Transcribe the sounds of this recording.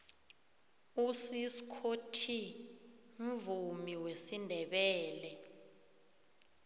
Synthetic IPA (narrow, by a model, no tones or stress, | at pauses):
usisi̥kʰotʰi | m̩vumiwesindʱɛɓɛːlɛ